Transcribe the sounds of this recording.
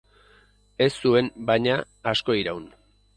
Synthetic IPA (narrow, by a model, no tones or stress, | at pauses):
e̞sːue̞nbaɲaː | sko̞iɾawn